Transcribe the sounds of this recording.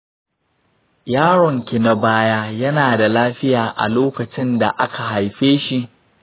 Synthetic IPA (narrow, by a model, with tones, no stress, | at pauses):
jaː˦ɽɔ˨ŋkʲɪ˨na˦baː˦jaː˦jɐ˦naː˨da˨laː˦ɸɪ˦jaː˨ʔa̰˨loː˦kɐ˨t͡ʃɪ˦nda̰˨ʔa˦ka˨ɦa˨jɸeː˦ʃi˦ʔ